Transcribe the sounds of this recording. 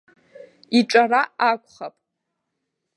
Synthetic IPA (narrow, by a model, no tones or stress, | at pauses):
iʈ͡ʂʼaraakʷʼχapʼ